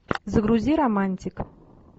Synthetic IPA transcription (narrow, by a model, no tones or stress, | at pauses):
zəɡɾuzʲiɾɐmanʲtʲik